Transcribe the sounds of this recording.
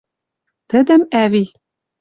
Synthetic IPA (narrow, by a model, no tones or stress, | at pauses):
t̪ɘ̆d̪ɘ̆mæβi